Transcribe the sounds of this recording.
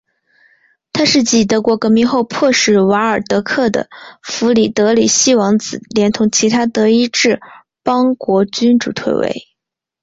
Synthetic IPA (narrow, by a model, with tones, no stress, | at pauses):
t̪ʰa˥ʂɻ̩˥˩t͡ɕi˨˩t̪ɤ˧˥kwɔ˧˥kɤ˧˥mi˧˥xo˥˧ʊpʰwɔ˥˧ʂɻ̩˥˩wɑ˧˥ə˞˨˩t̪ɤ˧˥kʰɤ˥˩d̪ə̰˩fu˧˥li˨˩t̪ɤ˧˥li˨˩ɕi˥wɑ˧˥ŋt͡sɹ̩˨˩ljɛ˧˥nt̪ʰʊ˧˥ŋt͡ɕʰi˧˥t̪ʰa˥t̪ɤ˧˥i˥ʈ͡ʂɻ̩˥˩ | pɑ˥ŋkwɔ˧˥t͡ɕy˥nʈ͡ʂṵ˨˩t̪ʰwḛ˥˩ɪwḛ˧˥ɪ